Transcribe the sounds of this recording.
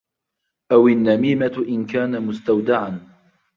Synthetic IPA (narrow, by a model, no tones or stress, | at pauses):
ʔawɪnːamiːmat̪ʔɪnkaːnamʊst̪awd̪aʕan